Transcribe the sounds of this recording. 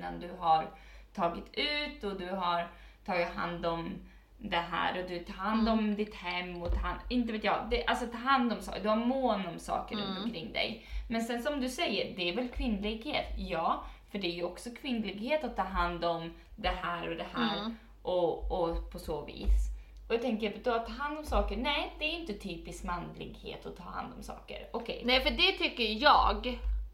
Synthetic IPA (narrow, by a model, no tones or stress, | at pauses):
a̰nd̪ɵɦaɾt̪ʰɑːɡɪt̪ʉ̟ːt̪ɔd̪ɵɦaɾt̪ʰɑːɡɪt̪ɦa̰nd̪ɔm | d̪ɛɦæ̰ːɾɔd̪ɵt̪ʰɑːhand̪ɔmd̪ɪt̪hɛmːɔt̪ʰɑhaɪnt̪əveːt̪jɑ̰ːd̪ɛʔa̰lsɔt̪ʰːɑːɦand̪ɔmsɑ̰ːkd̪ɵhaɾmoːnɔmsɑ̰ːkəɾɵnt̪ɔnkʰɾɪŋːd̪ɛ̰jmɛnsɛnsɔmd̪ɵsɛjːəɾd̪ɛæɾvɛlkʰvɪnːlɪɡheːt̪jɑːfœɖɛæjɵɔksɔkʰvɪnːlɪɡheːt̪at̪ʰːɑːɦand̪ɔm | d̪ɛɦæːɾɔd̪ɛhæːɾ | ʔɔɔpʰɔsoːvḭːs | ɔjat̪ʰɛŋkəjad̪at̪ʰːɑːɦand̪ɔmsɑːkəɾnɛːd̪ɛæːɾjʏnt̪ət̪ʰyːpɪskmanlɪ̰ɡhḛːt̪ɔt̪ʰɑ̰ːha̰nd̪ɔmsɑ̰ːkə̰ɾɔkʰɛ̰jnɛfəɖɛt̪ʰʏkːəɾjɑ̰ːɡ